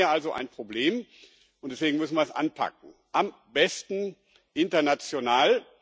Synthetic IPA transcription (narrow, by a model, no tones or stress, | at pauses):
ɐʔalzoʔa̰ɪnpʁ̥obleːm | ʔʊntd̥ɛsv̥eːɡŋ̩mʏsn̩viɐɛsʔa̰npʰa̰k̚ŋ̩ʔam | bɛstn̩ | ʔɪntɐnat͡sjonaːl